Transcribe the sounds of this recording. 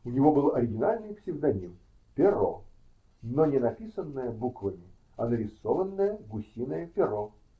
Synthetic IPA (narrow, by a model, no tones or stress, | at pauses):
ʊnʲɪvobɨlˠɐɾʲɪɡʲɪnalʲnɨjpsʲɪvd̪ɐnʲim | pʲɪro̰ | nonʲɪnɐpʲisənːəjəbukvəmʲɪ | ɐnəɾʲɪsovənːəjəɡʊsʲinəjəpʲɪɾo